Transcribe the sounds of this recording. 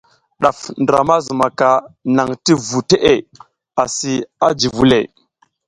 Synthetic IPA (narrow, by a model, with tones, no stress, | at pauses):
ɗa˨fndɾa̰˨ma˦zu˨ma˨ka˨na˨ŋti˦vu˨te˦ʔe˨ | a˨si˨a˦d͡ʒi˨vu˦lḛ˨